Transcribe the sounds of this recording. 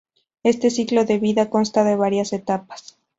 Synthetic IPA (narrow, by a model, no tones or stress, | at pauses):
e̞st̪e̞siklo̞ðe̞βiðako̞nst̪aðe̞β̞aɾjase̞t̪apḁs